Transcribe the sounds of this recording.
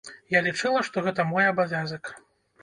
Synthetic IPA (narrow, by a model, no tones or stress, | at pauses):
jalʲit͡ʂɛlˠɐʂt̪ɔɣɛt̪̬ɐmɔjɐbavʲazɐk